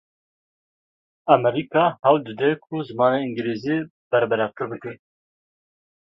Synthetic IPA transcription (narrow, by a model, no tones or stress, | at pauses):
ɑmɛɾikɑːhɛwd̪ɨd̪ɛkʰʊzɨmɑːneiŋɡɨleːzieː | b̥ɛɾbɛɾɑːɾk̪ʰɨɾbɨkɛ